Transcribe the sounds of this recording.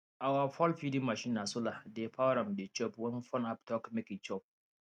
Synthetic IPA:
ʔawafɔlɸidɪmːaʃɪnːasʊladeɸaɾɐmdet͡ʃɔpwɔnfɔnaptɔkmɪkit͡ʃɔp̚

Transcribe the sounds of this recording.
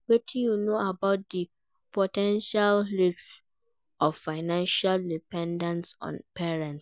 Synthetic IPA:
wetʰĩjunoabaʊt̚di | pʰotʰɛ̃nʃalɹiks | ɔffaɪnãnʃaldipʰɛ̃ndãnsɔ̰̃npʰɛɹɛ̃nts

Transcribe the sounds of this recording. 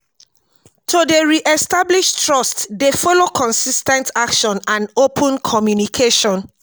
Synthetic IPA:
tʰudeɹiʔɛstabliʃtɹɔstdefɔlokʰɔ̃nsistɛ̃ntakʃɔ̃nãnopʰə̃nkʰɔmjunikʰeʃɔ̃n

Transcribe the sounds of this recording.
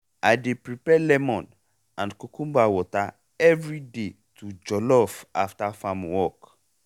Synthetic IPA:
ajdepɾipɛlɛmɔ̃n | ãndkokũmbawɔta | ɛvɹide | tud͡ʒɔlɔfa̰ftafamwɔk

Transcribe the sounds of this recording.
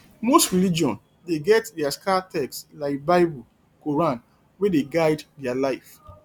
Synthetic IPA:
mostɹilid͡ʒiɔ̃n | deɡɛtdɛaskatʰɛkstlaɪk̚baɪbul | koɹãn | wedeɡaɪddɛalaɪf

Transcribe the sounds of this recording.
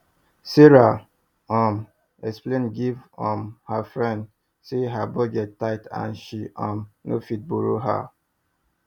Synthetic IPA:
seɹa | ɔm | ɛksplẽnɡivɔ̃mhafɹɛ̃nd | seɦabɔɡɛttːaɪtã̰nʃiʔɔ̃mno̰fit̚boɾo̰ɦa̰

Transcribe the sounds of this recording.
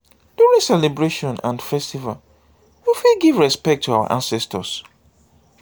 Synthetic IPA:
d̥uɹĩŋsɛlɛbɹeʃɔ̃nʔã̰nfɛstival | wifilɡivɹɛspɛk̚tʰːuawə̰ʔã̰nsɛstəs

